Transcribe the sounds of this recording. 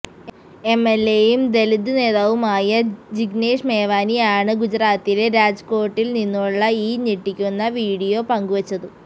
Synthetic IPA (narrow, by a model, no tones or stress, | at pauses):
e̞mːelːe̞ːjumd̪e̞lid̪ːɨne̞ːðaːʋumaːjɐd͡ʑiɡne̞ːʂmeːʋaːnijaːɳɨɡud͡ʑɾaːt̪ːileɾaːd͡ʑko̞ːrʈːilninːuɭːɐiːneʈːikʲːunːɐʋiːɽijo̞pɐŋɡuʋɐt͡ɕːɐðu